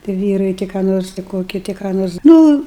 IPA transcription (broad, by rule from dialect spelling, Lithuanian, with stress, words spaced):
tʲɪ ˈʋʲiːrɐɪ tʲɪ kɑː ˈnoːrs tʲɪ ˈkoːkʲɪ tʲɪ kɑː ˈnoːrs ˈnʊ